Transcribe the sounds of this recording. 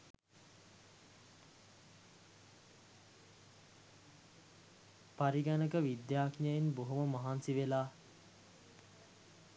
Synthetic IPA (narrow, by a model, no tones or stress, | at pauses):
paɾiɡanəkəʋid̪jaːknjəjinboɦoməmaɦansiʋelaː